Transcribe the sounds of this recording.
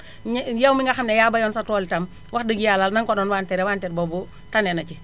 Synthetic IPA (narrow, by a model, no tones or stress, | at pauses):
ɲjawmiŋɡaxamnejaːbajɔnsatɔːlitam | waxdəɡijalalnaŋkɔɗɔnwaːntɛɾɛwaːntɛɾbɔbu | tanɛnat͡ʃi